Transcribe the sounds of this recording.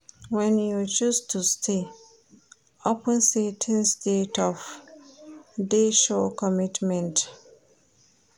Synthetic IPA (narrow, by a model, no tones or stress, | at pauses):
wɛ̃njut͡ʃustʰustʰe | opʰə̃nsetʰɪ̃nstʰetʰɔf | deʃɔkʰɔmitmɛ̃nt